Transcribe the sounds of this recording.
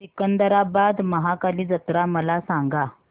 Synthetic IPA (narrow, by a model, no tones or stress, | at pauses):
sikənd̪əɾabad̪məɦakaliːd͡zət̪ɾaməlasãŋɡa